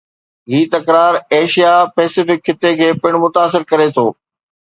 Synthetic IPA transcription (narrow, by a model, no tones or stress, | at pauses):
ɦiːt̪ɐkɾaːɾeːʃijapɛːsɪfɪkʰːɪt̪ekʰeːpɪɽ̃mʊt̪aːsɪɾkɐɾet̪ʰoː